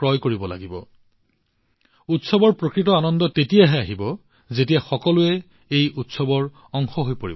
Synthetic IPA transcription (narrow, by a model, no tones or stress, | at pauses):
ɹɔjkoɹibɔla̰ɡibɔ̰ | utsɔbɔɹpɹokɹitɔanɔndɔtetijaɦɛaɦibɔ | zetijaxɔkɔlʊɛ | ejʔutsɔbɔɹ | ɔŋxɔɦojpoɹḭb